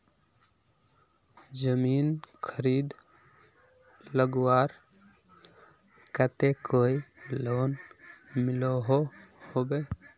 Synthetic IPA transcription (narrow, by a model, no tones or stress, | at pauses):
d͡ʒəmiːnkʰəɾiːd̪ | ləɡwaːɾ | kət̪ekoːiloːnmɪloɦohobe